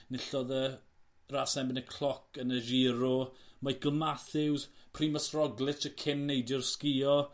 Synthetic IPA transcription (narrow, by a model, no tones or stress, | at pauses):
nɪɬɔðə | raːsɛbɪnəkʰl̥ˠɔkʰənəʒiːɾɔmajɡ̥əlˠmaθɪwzpʰriːməsrɔɡlˠɪtʰəkʰɪnːejdjɔrskɪːɔ